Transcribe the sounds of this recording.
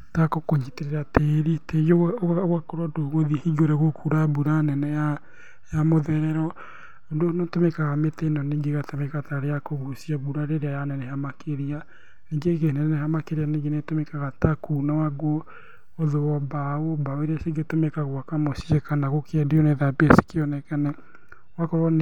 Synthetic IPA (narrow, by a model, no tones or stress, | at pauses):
takokoɲiteɾeɾateɾiteɣoɣwakɔɾɔdoɣoðihiɡoɾɛɣokʰuɾabuɾanɛnɛja | jamoðɛɾɛɾɔ | ondonɔtomɛkaɣametenɔneɡeɣatamɛkataɾejakoɣusiaβuɾaɾeɾeajanɛnɛhamakʰeɾia | neŋɡeɣenɛnnɛɦamakeɾianeŋɡenetomɛkaɣatakuːnawaɡwɔ | oðowɔbaobaweɾaseɡetomɛkaɣwakamosiɛkanaɣokʰeɛdejoneðabease̥keɔnɛkanɛ | wakɔɣɔn